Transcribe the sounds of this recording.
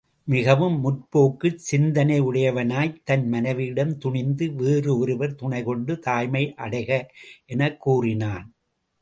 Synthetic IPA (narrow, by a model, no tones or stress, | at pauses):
mɪɣɐʋɯmːʊʈpoːkːɯsɪnd̪ɐnɐɪɯɽɐjɐʋɐnaːjt̪ɐnmɐnɐʋɪɽɐmt̪ʊɳɪnd̪ɯʋeːrɯɔɾɯʋɐɾt̪ʊɳɐɪkɔɳɖɯt̪aːjmɐɪʔɐɽɐɪɣɐʔɛnɐkːuːrɪnaːn